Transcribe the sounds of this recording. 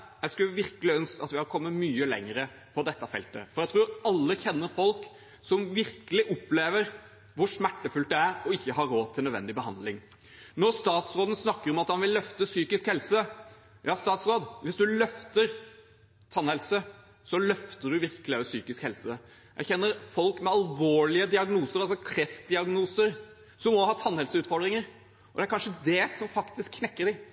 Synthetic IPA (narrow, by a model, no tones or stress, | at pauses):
jæɪskʉʋɪɾkəlɪœnskɑt̪ʋɪhɑɾkʰɔmːəmyːəlɛ̰ŋːəɾə | pʰɔd̪ɛt̪ːɑfɛ̰lt̪ə̰fɔɾjæɪt̪ʰɾuːɾɑlːəçɛnːəɾfɔlk | sɔmʋɪɾkəlɪʔɔpːleːʋəɾ | ʋʊɾʂmæʈːəfʉlt̪̚d̪ɛæɾɔɪçːəɦɑɾːoːt̪ʰɪlœd̪ʋɛ̰nd̪ɪbəɦɑ̰nd̪lɪŋ | nɔɾst̪ɑːt̪sɾoːd̪n̩snɑkːəɾɔmɑt̪hɑnʋɪlːœft̪əsyːkɪskhɛlsə | jɑːst̪ɑːt̪sɾoːd̪ʋɪsd̪ʉlœft̪əɾ | t̪ʰɑnhɛlsə | sɔlœft̪əɖʉʋɪɾkəlɪɑʉsyːkɪskhɛlsə | jæɪçɛnːəɾfɔlkmɛɑlʋoːɭɪəd̪ɪɑɡnuːsəɾɑlsɔkʰɾɛft̪̚d̪ɪɑɡnuːsəɾ | sɔmːɔhɑːt̪ʰɑnːhɛlsəʉːt̪fɔɾɖ̪ɾɪŋəɾ | ʔɔd̪ɛæɾkɑnʂəd̪ɛsɔmfɑkt̪ɪskʰːnɛkːəɾɖɪ